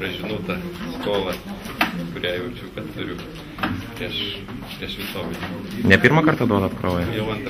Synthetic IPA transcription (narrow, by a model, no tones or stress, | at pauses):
ɾɐʒʲɪnuːt̪ɐskoːlˠɐ | kʊɾʲæːjɛʊt͡ʃʲuːkɐt̪ʊɾʲʊ | pʲɾʲiɛʃ | pʲɾʲiɛʃʋʲɪsoːʋɐdʲinʲɛpʲiɾmɐkɐrt̪ɐd̪oːd̪ɐp̪kɾoːjɛjɛʊɐnt̪